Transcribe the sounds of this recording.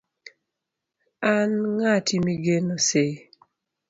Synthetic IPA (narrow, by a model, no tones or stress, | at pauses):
anŋatʰimiɡenose